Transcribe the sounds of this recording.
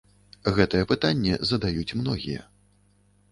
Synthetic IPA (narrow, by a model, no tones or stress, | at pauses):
ɣɛt̪ɨjɛpɨt̪anʲːɛ̰zɐd̪ajut͡sʲmnɔɣʲḭjɛ̰